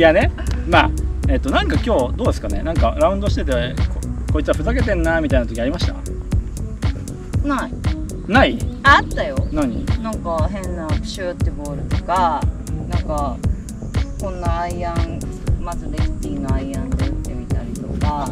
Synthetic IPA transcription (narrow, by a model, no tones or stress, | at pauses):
jane̞ma̰ːe̞t̪ːo̞nãŋkakʲo̞ːd̪o̞ːd̪e̞sɨ̥kane̞̰nãŋka̰ɾaɯ̟̃nd̪o̞ɕi̥t̪e̞t̪ekoko̞it͡sɨβaɸɯ̟zake̞t̪ẽ̞nːamʲit̪ainat̪oiaɾʲimaɕi̥t̪a̰ | nai | naiat̪ːajo̞naɲ̟inãŋkaɦẽ̞nːapɯ̟̥ɕɨt̪ːebo̞ːɾɯ̟t̪o̞kanãŋka | kõ̞nːaːiãn | mazɨd̪est̪ʲiːnoaiãnd̪eɯ̟t̪ːe̞mʲit̪aɾʲit̪o̞ka